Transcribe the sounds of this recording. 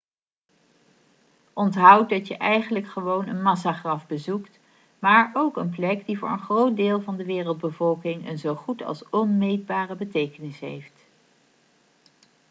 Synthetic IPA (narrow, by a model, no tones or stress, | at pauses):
ʔɔntɦʌw̚dɑtjəʔɛjχənləkχəʋownənmɑs̬aːχrɑfbəzukt | maːɹowkənp̬lɛkdivʊ̰ːɹənχrowt̚deːlˠvɑndəʋɪːrəlˠd̚bəvɔlˠkɪŋə̰nzowχutɑ̰lˠsɔnmejd̚baːrəbətejkənɪsɦḛjft